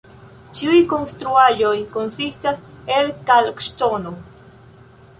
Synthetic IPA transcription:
t͡ʃiujkonst̪ɾuaʒojkonsistaselkalkʃt̪ono

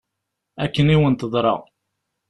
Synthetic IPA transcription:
ækːəniwənt̪əðˤɾˤɑ̰ʁ

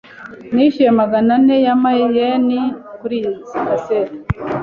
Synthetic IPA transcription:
niʃiɾemaɡananejamajenikuɾizikaseɾi

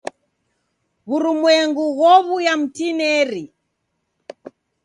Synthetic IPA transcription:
ɣuɾumwɛŋɡuɣɔβujam̩tinɛɾi

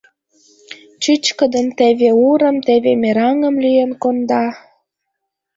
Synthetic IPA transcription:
t͡ɕɨt͡ɕkəd̪əmt̪eβeuɾə̆mt̪eβemeɾɑŋə̆mlyjenkond̪ɑ

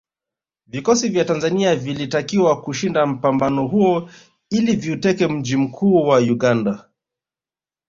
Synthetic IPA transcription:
vikɔsivjatanzaniavilitakiwakuʃindam̩pambanɔɦuɔ | iliviutɛkɛm̩d͡ʒim̩kʰuːwajuɠanda

